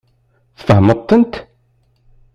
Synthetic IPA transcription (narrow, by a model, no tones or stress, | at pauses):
θfəɦmət̪ˤːənt̪